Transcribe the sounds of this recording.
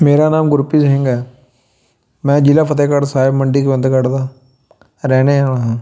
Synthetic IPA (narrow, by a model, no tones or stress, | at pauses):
meːɾaːnaːmɡʊɾpiːd͡ʒɦɪ̃ŋɡɛː | mɛ̃ːd͡ʒɪlaːpʰət̪eːkəʈsaːɦɪbməɳɖiːkebə̃nd̪kəʈd̪aː | ɾɛːneaːɽaːɦãː